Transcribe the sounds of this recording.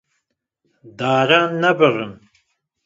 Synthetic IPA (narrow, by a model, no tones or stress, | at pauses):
d̪aːɾanːɐbɨʁəm